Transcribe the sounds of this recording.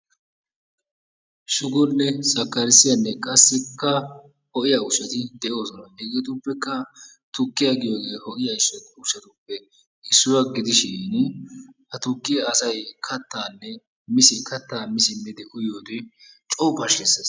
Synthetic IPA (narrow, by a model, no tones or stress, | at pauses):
ʃʊɡɔnːɛsɐkːɐɾɪsɪjɐnːɛkʼɐsːɪkːɐ | hɔʔɪjɐʊʃɐt̪ɪd̪ɛʔo̞ːsɔnɐhɛɡɛt̪ʊpːɛkːɐ | t̪ʊkːɪjaɡɪjoːɡe̞ːhɔʔɪjɐɪsːɔʊʃɐt̪ʊpːɛ | ʔɪsːʊwɐɡɪd̪ɪʃɪn | hɐt̪ʊkːɪjɐːsɐjkʰɐt̪ːaːnːɛ | mɪsɪkʰɐt̪ːaːmɪsɪmɪd̪ɛʔʊjoːt̪ɪ | t͡ʃʼɔwpɐʃːɛsɐs